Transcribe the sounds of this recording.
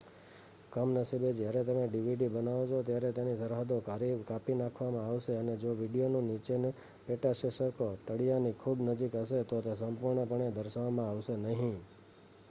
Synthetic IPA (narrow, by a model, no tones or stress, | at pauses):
kəmnəsibed͡ʒjaɾet̪əmeɖiʋiɖibənaʋot͡ʃʰot̪jaɾet̪enisəɾɦad̪oaɾikapinakʰʋamãaʋʃeəned͡ʒoʋiɖijonũnit͡ʃene | peʈaʃeʃəɾkot̪əɽijanikʰubnəd͡ʒikɦəʃet̪ot̪esəmpuɾɳəpəɳ̃ed̪əɾʃaʋmãaʋʃenəɦĩ